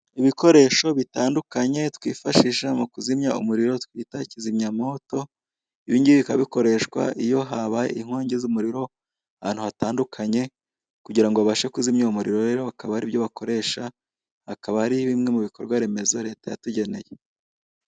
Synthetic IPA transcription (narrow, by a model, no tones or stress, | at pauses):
iβiko̞ɾe̞ːʃo̞βitaːndukaɲe̞tkwḭːfaʃiʃamukuzimɲaṵmuɾiɾo̞tkwiːtacizimɲamo̞to̞ | iβiːndiβikaβiko̞ɾe̞ʃwa̰ʔijo̞ɦaβaeiŋ̥hwaːɲɟezumuɾiɾo̞ | aha̰ːn̥huhataːndukʰaɲe̞ | kuɟiɾaŋɡoaβaʃe̞kuzimɲaumuɾiɾo̞ɾe̞ɾo̞akaβahaɾiβjo̞βakʰo̞ɾe̞ʃa | akaβahaɾiβimŋe̞muβiko̞ɾɡwaɾe̞me̞zo̞ɾe̞ːtaja̰tuɟe̞ne̞je